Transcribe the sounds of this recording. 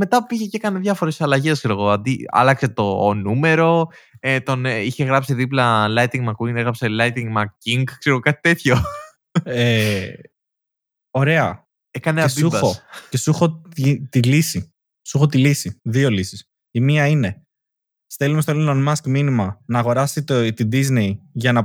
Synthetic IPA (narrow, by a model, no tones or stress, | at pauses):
me̞t̪ɐiçecekɐneðʝɐfo̞ɾe̞sɐlɐʝe̞skseɾoɣo̞ɐnd̪iɐ̰lɐkse̞t̪o̞nume̞ɾo̞ | et̪o̞niçe̞ɣɾɐpsiðiplɐlɐjt̪iŋɡmɐkuineɣɾɐpselɐjt̪iŋɡmɐciŋɡkse̞ɾeɣokɐt̪i̥t̪e̞θço̞ | e | o̞ɾe̞ɐ | ekɐneɐsuɐoce̞suxo̞it̪ilisi | suxo̞t̪ilisiðio̞lisi̥s | imiɐine̞ | st̪e̞lumest̪olinonmɐskminimɐnɐːɣo̞ɾɐsit̪t̪id̪izneiʝɐnɐ